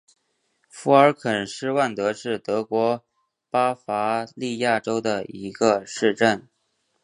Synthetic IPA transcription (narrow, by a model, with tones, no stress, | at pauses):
fu˧˥ə˞˧˥kʰə˨˩nʂɻ̩˥˧wa˥˩nt̪ɤ˧˥ʂɻ̩˥˩t̪ɤ˧˥kwɔ˧˥ | pa˥fa˧˥li˥˧ja˥˩ʈ͡ʂo˥ʊd̪ə˨i˧˥ɡ̥ə˧ʂɻ̩˥˧ʈ͡ʂə˥˩n